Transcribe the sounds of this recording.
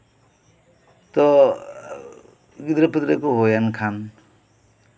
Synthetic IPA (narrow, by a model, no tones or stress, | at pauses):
t̪ɔ | ɡid̪ɾapid̪ɾekɔɦojankʰan